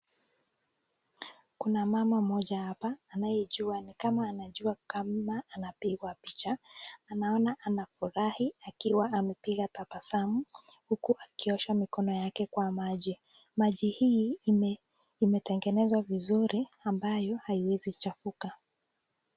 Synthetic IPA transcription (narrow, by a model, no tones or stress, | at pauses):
kunamamam̩mɔʄahapaːnajɛʄuanikamaːnaʄuakamaːnapiɣwapit͡ʃaːnaɔnaʔanafuɾahiakiwaamɛpiɣatapasamu | hukuʔakiɔʃamikɔnɔjakɛkwamaʄi | maʄihi | mɛtɛŋɡɛnɛzwavizuɾiambajɔhaiwɛzit͡ʃafuka